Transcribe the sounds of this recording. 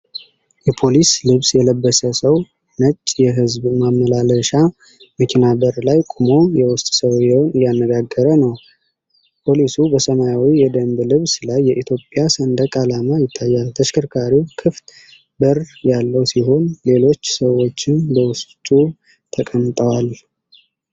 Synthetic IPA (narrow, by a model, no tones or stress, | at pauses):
jɛpʰo̞lislɨβsjɛləbːəsəsəw | nət͡ʃʼːjɛɦɨzbmamːəlaləʃa | məkʰinabəɾlajkʼumo̞jɛwʊst̪ʼsəwjɛnɨjanːəɡaɡːəɾənəw | pʰo̞lisubəsəmajawijɛd̪əmblɨβslajːɛʔit̪ʰjo̞pʼjasənd̪əkʼalamajɪt̪ʰːajːalt̪ʰəʃkʰɨɾkʰaɾiwkʰɨft̪ | bərjalːəwsiɦo̞nle̞lo̞t͡ʃːsəwo̞t͡ʃːɪnbəwʊst̪ʼu | t̪ʰəkʼəmt̪ʼəwal